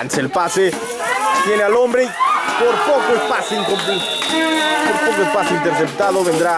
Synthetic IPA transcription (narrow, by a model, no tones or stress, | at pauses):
nselpase | t̪jenealõmbɾepoɾpokoelpaseiŋkompus | poɾt̪okoelpaseint̪eɾsept̪aðoβend̪ɾa